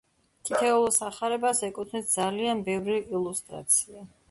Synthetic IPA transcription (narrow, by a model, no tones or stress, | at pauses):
t̪ʰit̪ʰɛulˠɔsaχaɾɛbasɛkʼut̪ʰnɛsd̪zalianbɛvɾiʔːlˠust̪ʼɾa̰t̪sʰia